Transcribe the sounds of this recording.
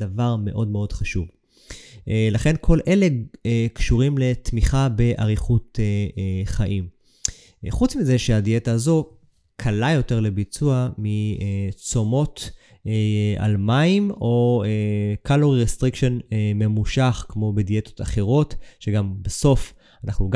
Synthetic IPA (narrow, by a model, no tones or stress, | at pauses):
davaʁme̞ʔo̞dme̞o̞dχaʃuv | laχe̞nkʰo̞lʔe̞le̞kʃuʁimle̞tmiχabe̞ʔa̰ʁiχut̪eχaʔim | χut͡smize̞ʃeadietaːzo̞ | kʰalajo̞te̞ʁle̞bit͡suamiet͡so̞mo̞t | a̰lmaimo̞ekalo̞ʁiʁest̪ʁikʃo̞neme̞muʃaχkmo̞bedijet̪o̞̥t̪aχe̞ʁo̞tʃeɡambeso̞f | anaχnuɡ